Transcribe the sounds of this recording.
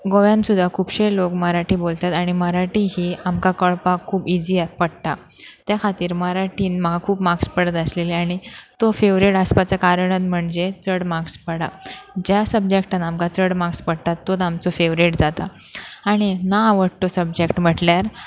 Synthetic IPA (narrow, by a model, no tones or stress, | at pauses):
ɡoʋjãnsud̪ʱakʰuːpɕelokməɾaʈiːbolt̪at̪aɽ̃iməɾaʈiɦiːamkakəɭpakʰːuːbid͡ʑiat̪̚pəɽt̪a | t̪jakʰat̪iːɾməɾaʈiːnməɡakʰuːpmakspəɽət̪əsleleaɽ̃it̪ofeʋɾeʈəspat͡sakaɾəɳət̪m̤əɳd͡zet͡səɽmakspəɽad͡ʑjasəbd͡ʑekʈənamkat͡səɽmakspəɽt̪at̪ːot̪amt͡sɔfeʋɾeʈd͡zat̪a | aɽ̃inaʋəɽt̪osəb̚d͡ʑekʈm̤əʈljaɾ